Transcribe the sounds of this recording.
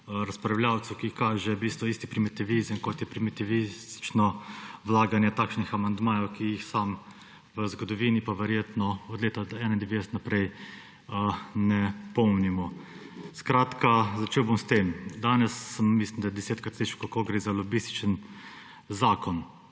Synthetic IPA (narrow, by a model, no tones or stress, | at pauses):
ɾaspɾawljaːw̪sukikaːʒɛbist̪ʋɔist̪ipɾimit̪iʋizəmkɔt̪jɛpɾimit̪iʋist̪t͡ʃnɔʋlaːɡanjɛt̪aːkʃnixamand̪maːjɔwkijixsaːm | ʋəzɡɔd̪ɔʋiːnipaʋɛɾjeːt̪nɔɔd̪leːt̪aɛnaind̪ɛʋeːsɛt̪napɾɛj | ənɛpɔwnimɔ | skɾaːt̪kazat͡ʃeːwbɔmst̪eːmd̪aːnɛsːəmːislimd̪ajɛd̪ɛseːt̪kɾat̪slit͡ʃkolkoɡɾeːzalɔbist̪i̥t͡ʃən | zaːkɔn